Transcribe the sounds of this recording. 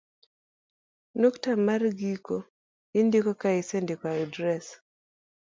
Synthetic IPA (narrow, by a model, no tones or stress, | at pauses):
noktamarɡiko | indikɔkaisendikaidɾɛs